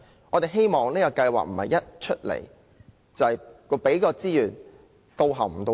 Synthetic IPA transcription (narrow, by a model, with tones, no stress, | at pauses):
ʔɔː˨˧t̪e˨˩ɦe˥jmɔː˨ŋlɛː˥jɐ˨˧wkɐ˧jwa̰ː˨˩k̚m̩˨˩hɐ˨˩jɐ˥t̚t͡ʃʰɵ˥t̚lḛ˨˩j | t͡sɐ˨whɐ˨jkɔ˧pe˨˥jkɔː˧t͡siː˥jyː˨˩n | t̪o˧wɦɐ˨˩m̩˨˩t̪o˧